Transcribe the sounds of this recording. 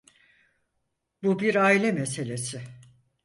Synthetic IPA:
bubiɾaːilʲɛmese̞lʲe̞sɪ

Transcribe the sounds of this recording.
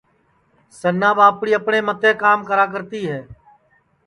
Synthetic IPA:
sənːaːbaːpɽiːəpɳeːmət̪eːkaːmkəɾaːk̬əɾt̪iːɦɛː

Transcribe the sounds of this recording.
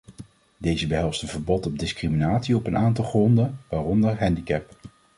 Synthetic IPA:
dejzəbəɦɛlˠstənvəɹbɔtɔb̚dɪskriminaːtsiɔpənʔaːntɑlˠχrɔndənʋaːrɔndəɹɦɛndikɛp

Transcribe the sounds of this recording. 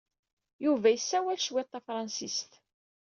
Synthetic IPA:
juvæjəsːæwælʃwæt̪ˤːæfɾˤɑnsist̪

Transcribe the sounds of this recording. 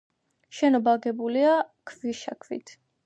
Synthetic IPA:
ʃɛnɔbaɡɛbuliakʰviʃa̰kʰvḭt̪ʰ

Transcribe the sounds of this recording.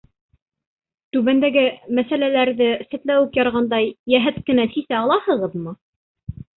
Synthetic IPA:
t̪ʉβænd̪æɡɘmæsælælæɾðɘsɘ̆t̪læwɘkjɑɾʁɑnd̪ɑjːæɦæt̪kɘ̆næsisæɑlˠɑhɤ̆ʁɤðmɤ

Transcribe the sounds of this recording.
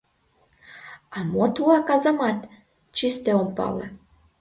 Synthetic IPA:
ɑmot̪uɑkɑzəmɑt̪ | t͡ɕist̪eompɑ̰lə̰

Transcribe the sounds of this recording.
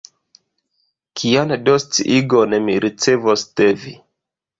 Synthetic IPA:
kʰiandost͡siʔiɡonemiɾʔit͡sevostevi

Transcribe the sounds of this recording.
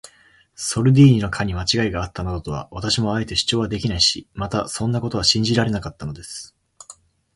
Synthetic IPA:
so̞ɾɯ̟d̪ʲiːɲino̞kʰaɲ̟imat͡ɕiɡaiɡaːt̪ːanad̪ot̪o̞βa̰βat̪aɕimo̞ae̞t̪e̞ɕi̥t͡ɕo̞ːβad̪e̞kʲinaiɕimat̪asõ̞nːako̞t̪o̞βaɕĩɲ̟d͡ʑiɾaɾe̞nakat̪ːano̞d̪e̞sɨ̥

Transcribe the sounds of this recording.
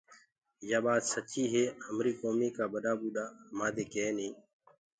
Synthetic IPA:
jaːɓaːt̪sət͡ʃiːɦeːhəmɾiːkoːmiːkaːbəɗaːɓuːɗaːmãːd̪eːkeːnĩː

